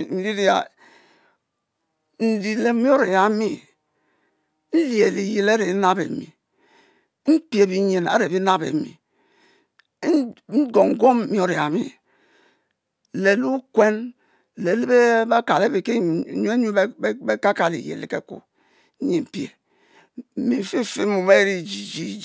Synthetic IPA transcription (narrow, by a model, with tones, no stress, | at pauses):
m̩˨li˦ɾi˦a̰˨ | n̩˨di˨le˨˦mi˦o˦ɾe˨ja˨˦mi˦ | n̩˦lje˨li˨je˨le˦ɾe˨˦na˦bḛ˨mḭ˨ | m̩˦pi˦e˨bi˦ɲe˨na̰˦ɾe˨bi˦na˦bḛ˨mḭ˨˦ | n̩˦ɡo˨ŋ˨ɡo˦m˦mi˦o˦ɾe˨ja˨˦mḭ˦ | le˨lu˦kwe˦n | le˨li˦be˦ba˦ka˨le˦bi˨ke˦˨ɲu˦e˦ɲu˦be˦ka˦ka˨lḭ˨jḛ˨lḛ˨kḛ˦kṵ˨˦ | ɲe˨m̩˨pjḛ˨ | m̩˦mi˨fi˦˨fi˦mu˨me˦ɾi˦d͡ʒi˨d͡ʒi˦